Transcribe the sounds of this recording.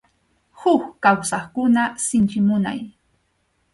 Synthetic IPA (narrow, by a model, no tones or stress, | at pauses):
hʊkkawsɑχkʊnasɪnt͡ʃɪmʊna̰j